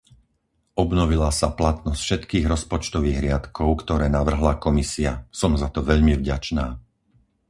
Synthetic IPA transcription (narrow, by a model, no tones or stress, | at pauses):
ʔɔbnɔʋilasaplat̪nɔsfʃɛt̪kiːɣɾɔspɔt͡ʃt̪ɔʋiːɣɾɪat̪kʰɔʊkt̪ɔɾɛːnaʋr̩ɦlakɔmisiasɔmzat̪ɔʋɛʎmivɟat͡ʃnaː